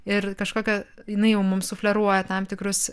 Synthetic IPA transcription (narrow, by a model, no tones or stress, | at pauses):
ɪrkɐʃkoːkʲɛjɪnɐɪjɛʊmʊmsʊfʲlʲɛɾuɔjɛt̪ɐmt̪ʲɪkɾʊs